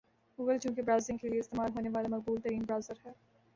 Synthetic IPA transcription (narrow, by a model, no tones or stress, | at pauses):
ɡuːɡəlt͡ʃũːkibɾaːzɪ̃ŋɡkelieɪst̪eːmaːlɦoːneʋaːlemɐq̚buːlt̪ɐɾiːmbɾaːʊzəɾɦɛː